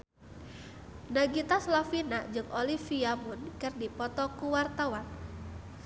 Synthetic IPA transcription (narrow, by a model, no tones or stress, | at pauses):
naɡit̪aslafinad͡ʒɨŋʔolifiamunkɨrdipɔt̪ɔkuwart̪awan